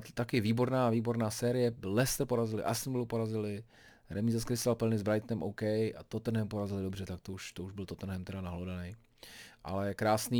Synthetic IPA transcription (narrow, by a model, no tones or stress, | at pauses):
t̪akɪviːbo̞ɾnaːviːbo̞ɾnaːsɛːɾɪjɛlɛst̪r̩po̞ɾazɪlɪ̰ʔa̰st̪nvlupo̞ɾazɪlɪ | ɾɛmizaskɾɪsalpl̩nɪzbɾajt̪nɛmʔowkɛja̰t̪ot̪r̩n̩ɦɛmpo̞ɾazɪlɪdobrɛt̪akt̪ouʃt̪ouʒbɪlt̪ot̪n̩ɦɛmt̪ɛdanaɦlodanɛj | ʔa̰lɛkɾaːsniː